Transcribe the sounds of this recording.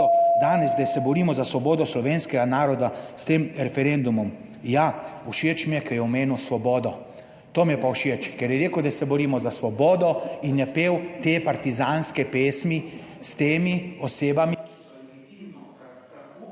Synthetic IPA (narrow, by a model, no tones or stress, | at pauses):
d̪aːnɛzd̪ajsɛbɔɾiːmɔzasʋɔbɔːd̪ɔslɔʋeːnskɛɡanaːɾɔd̪ast̪eːmɾɛfɛɾend̪umɔm | jauʃet͡ʃmijɛkʰɛjɛɔmeːnusʋɔbɔːd̪ɔ | t̪oːmijɛpauʃet͡ʃkɛɾjɛɾeːkəwd̪asɛbɔɾiːmɔzasʋɔbɔːd̪ɔinjɛpeːwt̪epaɾt̪izaːnskɛpeːsmist̪eːmiɔseːbami